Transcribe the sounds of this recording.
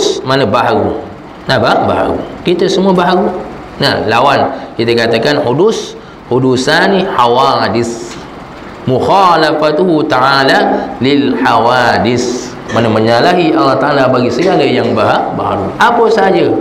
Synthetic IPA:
smanabaɦaɡu | nababa̰ɦa̰ɡṵkit̪asəmuabaɦaɡu | nahlawankit̪akat̪akanhudʊs | hudusaniħawadɪs | muxalafat̪uɦut̪aʕalalɪlħawadɪs | manəməɲalaɦiʔalːaht̪aʔalabaɡisəɡalajaŋbaɦaba̰ɦa̰ɡuʔapəsad͡ʒa

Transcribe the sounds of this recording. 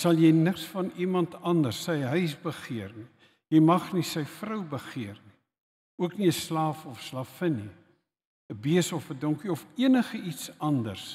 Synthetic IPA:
sɐlˠjɛjnəksfɐnimɐntɐndərsəjɦœɥsbəχiərni | jɛjmɐχnisəjfrəwbəχiərni | uəkniəslɑːfɔfslɑːfəni | əbiəsɔfədɔŋkiɔfiənəχəitsɐndə̰rs

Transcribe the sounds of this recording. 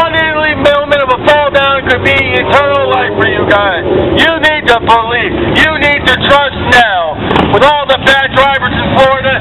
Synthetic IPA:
ənɪlˠimɪlˠmɨ̃ɾ̃ʌvəfɔlˠdãʊ̃nkɨd̚biɪtʰɜ̃˞nl̩ˠlaɪfə˞jɨɡaɪzjɨnid̚təpʰəlisjɨnid̚tɨtʰɹ̥ʌstnaʊ | wəðɔlˠðəbæd̚dɹaɪvə˞zɨ̃n̩pʰɔɹɾɨ

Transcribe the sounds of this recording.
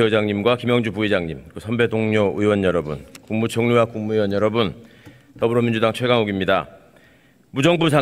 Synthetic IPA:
eʌd͡ʑaŋɲimɡwakimjʌŋd͡ʑupuid͡ʑaŋɲimkɯsʰʌmbe̞doŋɲoɯiwʌnjʌɾʌbunkuŋmut͡ɕʌŋɲuwakuŋmuiwʌnjʌɾʌbun | tʌbɯɾomind͡ʑudaŋt͡ɕʰweɡaŋuɡimɲida | mud͡ʑʌŋbusʰa

